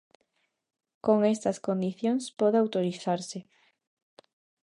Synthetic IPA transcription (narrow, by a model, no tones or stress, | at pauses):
koŋest̪ɐskond̪iθjoŋspɔðeawt̪oɾiθaɾsɪ